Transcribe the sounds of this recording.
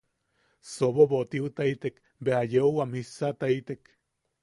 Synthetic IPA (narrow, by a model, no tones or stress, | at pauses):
soβoboʔt̪iut̪ait̪ek | beajeowamisat̪ait̪ek